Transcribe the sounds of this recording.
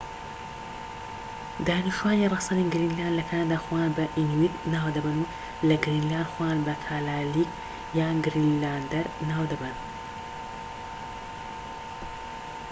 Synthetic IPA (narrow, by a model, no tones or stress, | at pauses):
d̪aːniʃuwaːnirˤɑsaniɡɾinlaːnd̪lɐkʰanad̪aːxojaːnbɐʔinwit̪naːwd̪ɐbɐnu | lɐɡɾinlaːnd̪xojaːnbɐkʰaːlaːlik | jaːɡɾinlaːnd̪ɐɾnaːwd̪ɐbɐn